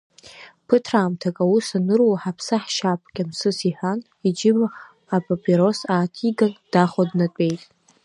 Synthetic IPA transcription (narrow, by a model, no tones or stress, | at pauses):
pʰetʰraːmtʰakʼawusanɨrwoħapʰsaħʃapʰʼkʲʼamsɨsiħʷᶣan | id͡ʒɪbaː | pʼapʼiɾosaːtʰiɡand̥aχodnatʼe̞jtʼ